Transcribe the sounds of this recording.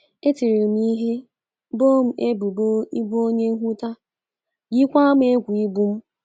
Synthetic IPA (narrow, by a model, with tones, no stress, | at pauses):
e˦ti˨ɾe˨m̩˦i˦ɦe˦ | bo˦m̩˦e˦bu˨bo˦i˦bu˦o˦ɲe˦ŋ̩˦ɦʷu˦ta˦ | ji˦kʷa˦m˦e˦kʷu˨i˦ɡ͡bu˦m̩˦